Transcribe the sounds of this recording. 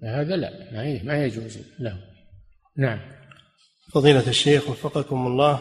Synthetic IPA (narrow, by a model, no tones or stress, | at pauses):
haːðala̰ʔmaiːmajad͡ʒuːzlahʊ | naʕam | fɑðˤiːlaaʃːeːxwɑfːɑqɑkʊmɑlˤːɑː